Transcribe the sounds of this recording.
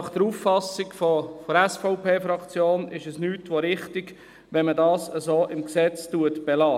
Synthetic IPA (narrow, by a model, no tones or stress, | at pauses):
nɑχd̥əɾuːffɑsɪɡfofɔɾɛsfɔʊpʰeːfɾɑkt͡sjoːnɪʃɛsnyːtʋoɾɪχtɪɡ | ʋɛnmədɑːsəzoːʔɪmksɛt͡stuətb̥ɛlɑː